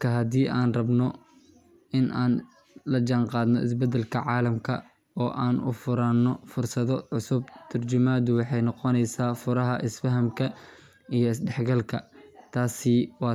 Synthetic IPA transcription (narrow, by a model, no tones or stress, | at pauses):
kʰɐɦɐd̪iːʔaːnrɐbnɔ | ɪnʔaːn | lɐd͡ʒaːnqɑːd̪nɔɪ̰s̬bɛd̪ɛlkʰɐʕɑːlɐmkʰɐ | ɔːʔaːnʊ̰fʊɾaːnːɔfʊrsɐðɔʕʊsʊb̚t̪ʰɐrt͡ʃʊmaːd̪ʊwɑħɑjnɔqɔnɛjsaːfʊɾɐɦɐʔɪsfɐɦɐmkʰɐ | ijɔɪsɖɛħɡɐlkʰɐ̰t̪ʰaːsɪwɑː